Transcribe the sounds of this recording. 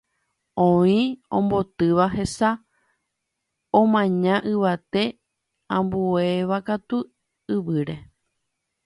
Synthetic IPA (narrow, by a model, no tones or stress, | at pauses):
õĩõ̰mbo̞t̪ɨʋaɦe̞sa | õmãɲãʔɨʋat̪e̞ | ãmbue̞ʋakat̪u | ɨʋɨɾe̞